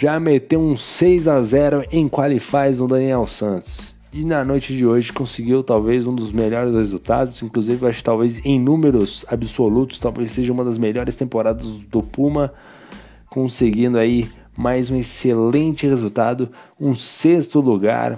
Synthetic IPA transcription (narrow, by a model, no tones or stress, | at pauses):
ʒamet̪ewũsejzazɛɾʊʔẽj̃kwalɪfajzũd̪ɐniɛwsɐ̃nt̪ʊ̥s | ɪnɐnojt͡ʃɪd͡ʒɪoʒɪkõsɪɡiwt̪awvezũd̪ʊzmeʎɔɾɪshezut̪a̰d̪ʊzĩŋkluzivɪaʃɪ̥t̪awvezẽj̃nũmeɾʊzabɪsolut̪ʊ̥st̪awvejsseʒɐ̃ũmɐd̪ɐzmeʎɔɾɪst̪ẽmpoɾad̪ɐzd̪ʊpũmɐ | kõseɡĩnd̪ʊai | majzũeselẽt͡ʃɪhezuwt̪a̰d̪ʊ | ũsest̪ʊluɡa̰ɾ